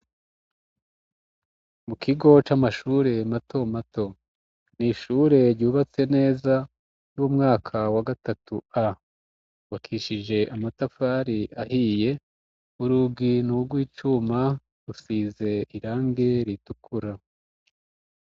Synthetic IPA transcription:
mukʰiɡo̞t͡ʃamaʃuːɾe̞matʰo̞mato̞ | niʃuɾe̞ɾɟuːβat͡se̞ne̞ːza | juwumŋaːkʰawaɡatatua | wakʰiʃiʒe̞ʔamatafaɾiʔahije̞ | uɾuɡinuɾɡwiːt͡ʃuma | ɾusiːze̞iɾaːŋɡe̞ɾitukʰuɾa

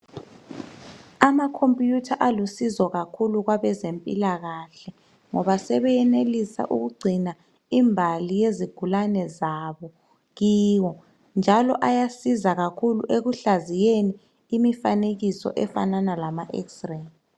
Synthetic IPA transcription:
amakʰompʼjutʰaʔalusizɔɣakʰuluɣwaβɛzempʼilaɣaɬɛ | ŋɔβasɛβɛjɛnelisa̰ʔuɣuɡ͡ǀʱina | imbʱalijeziɡ̥ʱulanɛzaβɔ | ɣiːwɔ | nd͡ʒʱalɔʔajasizaɣakʰulṵʔeɣuɬazijeni | imifaneɣisɔ̰ʔɛfa̰nanalamaʔɛ̰ksrɛn

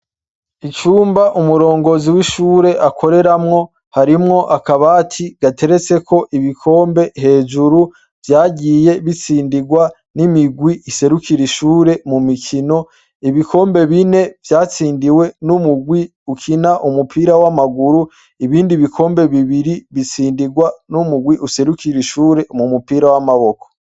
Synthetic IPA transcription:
it͡ʃuːmbaʔumuɾo̞ːŋɡo̞ziwiʃuːɾe̞ʔakʰo̞ɾe̞ɾamŋo̞ | haɾimŋo̞ʔakaβaːtʰiɡ̥atʰe̞ɾe̞t͡se̞kʰo̞ʔiβikʰo̞ːmbe̞ɦe̞ːd͡ʒuɾu | vjaːɟije̞βit͡siːndiɡwa | nimiɡwiʔise̞ɾukiɾiʃuːɾe̞mumikʰino̞ | iβikʰo̞ːmbe̞βine̞vjaːt͡siːndiwe̞numuɡwi | ukʰinaʔumupʰiːɾawamaɡuɾu | iβiːndiβikʰo̞ːmbe̞βiβiɾiβit͡siːndiɡwanumuɡwiʔuse̞ɾukiɾiʃuːɾe̞mumupiːɾawamaβoko̥

